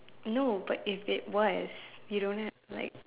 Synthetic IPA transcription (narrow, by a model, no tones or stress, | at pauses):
noʊbʌɾɪfɪt̚wʌz̥jɨɾõʊ̃nɛ | la̰ɪk̚